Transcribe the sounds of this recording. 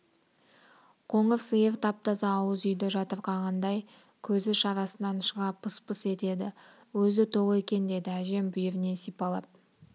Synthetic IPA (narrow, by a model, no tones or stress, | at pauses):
qʰo̞ɴəfsɨjeft̪ʰɑp̚t̪ɑsɑːwəzʏjd̪ɪʒɑt̪əɾqʰɑʁɑnd̪ɑj | kʲʰɵzɪʃɑɾɑsənɑnʃəʁɑpʰːəspəse̞t̪e̞d̪ɪ | wɵzɪt̪ʰo̞ʁəe̞kʲe̞nd̪e̞d̪ɪæʒe̞mbʏjevɪne̞sijpɑlˠɑp̚